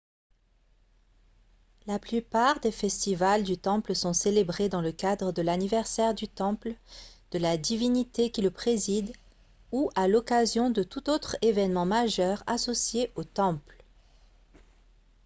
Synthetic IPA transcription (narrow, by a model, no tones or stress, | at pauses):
laplypaʁd̪efɛst̪ivald̪yt̪ɑ̃plsɔ̃selebʁed̪ɑ̃ləkad̪ʁəd̪əlanivɛʁsɛʁd̪yt̪ɑ̃pld̪̥əlad̪ivinit̪ekʲiləpχezid̪ | uʔalɔkazjɔ̃d̪ət̪ut̪ot̪χevɛnmɑ̃maʒœʁa̰sɔsjeʔot̪ɑ̃pl